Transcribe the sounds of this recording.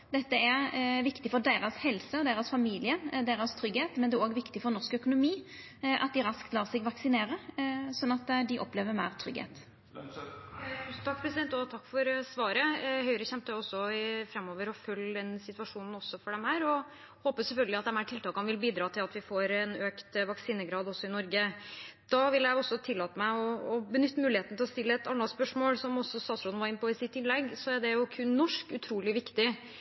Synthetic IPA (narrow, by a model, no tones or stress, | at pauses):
d̪ɛt̪ːəɛʋɪkt̪ɪfɔɾɖ̪eːɾɑshɛlsəɔd̪eːɾɑsfɑmiːlɪəd̪eːɾɑst̪ʰɾʏɡheːt̪mɛnd̪ɛoːɡʋɪkt̪ɪfɔɾnɔskœkʊnʊmiː | ʔɑ̰t̪̚d̪ɪɾɑskt̪lɑːʁsɛɡʋɑksɪneːɾəsɔnːɑt̪ːd̪ɪʔɔpleːʋəɾmæɪɾt̪ʰɾʏ̰ɡhḛːt̪ | n̩t̪ʰɑk̚ːpʰɾɛsɪd̪ɛnt̪ɔt̪ʰɑkːfɔɾsʋɑːɾəhœʏɾəçɛmt̪əɔsːɔɪfɾɛmːoːʋəɾɔfœld̪ɛnsɪt̪ʋɑʂuːnn̩ɔsːɔfɔɖɛmhæːɾɔ | hoːpəsɛlfœlɡəlɪɑt̪d̪ɛmhæʈʰɪlt̪ɑːkɑnʋɪlbiːd̪ɾɑːt̪ʰɪlɑt̪ʋɪfoːɾɛnøːkt̪ʋɑksiːnəɡɾɑːd̪ɔsːɔɪnɔɾɡəd̪̥ɑʋɪljæɪɔsːɔt̪ʰɪlːɑːt̪əmæɪɔːbənʏt̪ːəmʉːlɪheːt̪nət̪ʰɪlɔst̪ɪlːəɛt̪ɑnːɑspœʂmoːlsɔmɔsɔst̪ɑːt̪sɾɔd̪n̩ʋɑɾɪnpɔɪsɪt̪ːɪnlɛɡsɔæɖɛjʊkʰʉnnɔʂkʉt̪ʰɾuːlɪʋɪkt̪ɪ